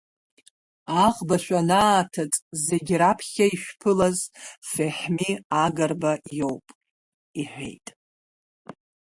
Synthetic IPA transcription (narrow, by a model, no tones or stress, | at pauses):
aʁbaʃʷᶣʼanaːtʰat͡sʼze̞ɡʲrapʰχʲaiʃᶣpʰɨlazfeħmiaɡarbajo̞wpʼ | iħʷᶣḛjtʼ